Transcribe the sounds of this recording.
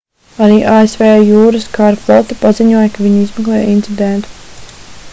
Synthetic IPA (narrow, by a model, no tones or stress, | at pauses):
aɾiːʔaːesvɛːjuːɾɨskaɾflˠɔt̪ipaziɲuɔjɐkaviɲizmɛklˠɛːjint̪sid̪ɛnt̪u̥